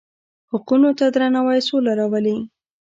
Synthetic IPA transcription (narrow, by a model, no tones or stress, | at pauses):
hʊqunot̪ad̪ɾanawajsolaɾɑwəli